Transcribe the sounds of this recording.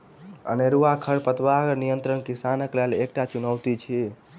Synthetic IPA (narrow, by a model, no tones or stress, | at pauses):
ə̰neɾuakʰəɭpət̪ʋaɡənijənt̪ɾənkɪsanəklɛlek̚ʈat͡ʃʊnəʋt̪it͡ʃʰe